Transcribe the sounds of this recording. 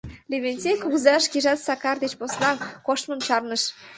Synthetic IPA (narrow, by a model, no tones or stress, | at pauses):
leβenʲt͡sʲekuɣzɑʃkiʒɑt̪sɑkɑrd̪et͡ɕposnɑkoʃmə̆mt͡ɕɑrnə̆ʃ